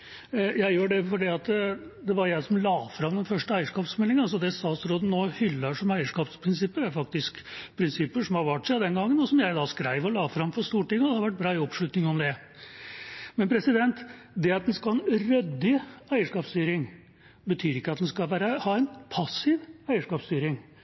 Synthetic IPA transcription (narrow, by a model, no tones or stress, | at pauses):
jæɪjøːɖɛfɔɖiːɑt̪d̪ɛʋɑɾjæɪsɔmlɑːfɾɑmd̪ɛnfœʂʈəæɪəʂkɑːpsmɛlːɪŋənɑls̬ɔd̪ɛst̪ɑːt̪sɾoːd̪n̩noːhʏlːɑʂɔmæɪəʂkɑːpspʰɾɪnsɪpːəɾæɾfɑk̚t̪ɪsk | pʰɾɪnsɪpːəʂɔmhɑɾʋæʈːʂæɪd̪ɛnɡɑŋːənɔsɔmjæɪd̪ɑskɾæɪʋəɾɔlɑːfɾhɑmfɔɾst̪uːʈɪŋːəɔd̪ɛhɑɾʋæʈ̚bɾɑːɪɔpʂɭʉt̪nɪŋɔmd̪ɛ | mɛnpʰɾɛsɪd̪ɛnt̪ | d̪ɛɑt̪̚d̪ɛnskɑɛnɾœd̪ːɪæɪəʂkɑːpst̪yːɾɪŋ | bət̪ʰyːɾɪkːəɑt̪̚d̪ɛnskɑlʋæːɾəhɑːæɪnpʰɑsɪʋæɪəʂkɑːpst̪yːɾɪŋ